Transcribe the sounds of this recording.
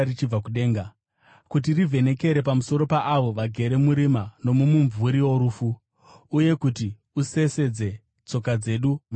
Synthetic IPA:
it͡ʃib͡vakuɗe̞ːŋɡa | kut̬irivʱe̞ne̞ke̞ɾe̞pamuso̞ɾo̞paʔaʋo̞ʋaɡʱe̞ɾe̞muɾimano̞mumuɱvuɾiwo̞ɾuːfu | uje̞kuti | use̞se̞d͡ze̞ | t͡so̞kad͡ze̞ɗum

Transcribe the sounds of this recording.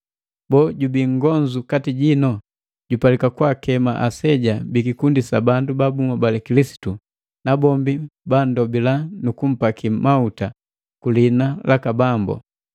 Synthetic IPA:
bɔɟubiŋɡɔɲd͡ʒukatiɟinɔ | ɟupalikakwakɛmaʔasɛɟabikikundisabandubabuŋabalɛkilisi̥tu | nabɔmbibandɔbilanukum̩pakimauta | kulinalakabambɔ̰

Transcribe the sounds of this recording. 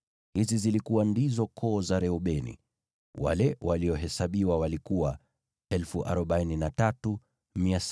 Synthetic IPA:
hizizilikuwandizɔkʰɔːzaɾɛɔɓɛnḭ | wa̰lɛwaliɔɦɛsaɓiwawalikuwa | ɛlfuʔa̰ɾɔɓaininatatu | mias

